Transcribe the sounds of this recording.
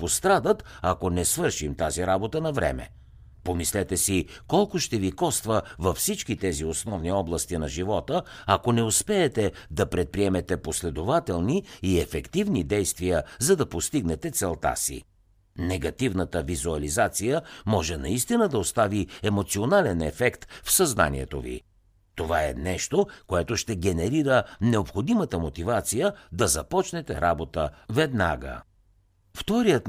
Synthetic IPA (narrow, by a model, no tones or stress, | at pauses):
post̪ɾad̪ət̪ɐkonɛsvɤɾʃimt̪aziɾabot̪ənɐvɾɛ̰mɛ̰ | pomislɛt̪ɛsikɔlˠkʊʃt̪ɛvikɔst̪vəvɐfsit͡ʃkit̪ɛziosnɔvniɔblˠɐst̪inɐʒivɔt̪əɐkonɛospɛːt̪ɛd̪ɐpɾɛt̪̚pɾiɛmɛt̪ɛposlɛd̪ovat̪ɛlˠniːɛfɛkt̪ivnid̪ɛjst̪vijəzɐd̪ɐpost̪iɡnɛt̪ɛt̪sɛlˠt̪a̰sḭ | nɛɡɐt̪ivnət̪əvizuɐlizat̪sijəmɔʒɛnɐist̪inəd̪ɐost̪aviɛmot̪sionalɛnɛfɛkt̪fsɐzna̰nḭɛt̪ovḭ | t̪ovaɛ̰nɛʃt̪okoɛt̪oʃt̪ɛɡɛnɛɾiɾənɛopxod̪imət̪əmot̪ivat̪sijəd̪ɐzɐpɔt͡ʃnɛt̪ɛɾabot̪əvɛd̪na̰ɡə̰ | ft̪ɔɾijət̪